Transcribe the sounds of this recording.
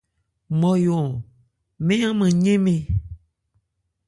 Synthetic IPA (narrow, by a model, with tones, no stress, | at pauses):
mɔ̃˨jo˨ | mẽ˦ã˦mɛ̃˨ɲẽ˦mẽ˨